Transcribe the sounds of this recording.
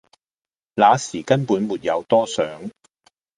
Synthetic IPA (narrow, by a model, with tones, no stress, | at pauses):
laː˨˧siː˨˩kɐ˥npuː˨˥nmuː˨t̚jɐ˨˧wt̪ɔː˥sœː˨˥ŋ